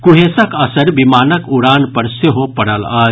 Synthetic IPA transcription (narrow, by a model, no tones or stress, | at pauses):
kuɦesəkɐsəɾbimaːnəkuɽaːnpəɾseɦopɐɽəlaː